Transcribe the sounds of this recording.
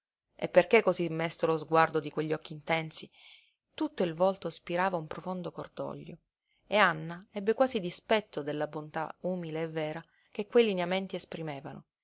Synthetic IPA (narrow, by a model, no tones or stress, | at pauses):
ḛpːerkekːozimːest̪olozɡward̪od̪ikweʎːiɔkːiːnt̪ɛnsi | t̪ut̪ːoilvɔlt̪ospiɾaːvaumpɾofond̪okord̪ɔ̰ʎːo̰ | eanːaɛbːekwaːzid̪ispɛt̪ːod̪elːabont̪a̰uːmileːvːɛːɾa | k̟ekːwejlinament̪iespɾimeːvano̰